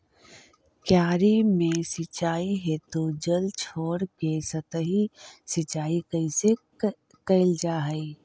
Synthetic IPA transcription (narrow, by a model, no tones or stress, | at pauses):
kjaːɾimẽsət͡ʃaːiɦɛt̪od͡ʒəlt͡ʃʰoːɽɡeːsət̪əɦisət͡ʃaːikəise | kəɪld͡ʒaːɦəi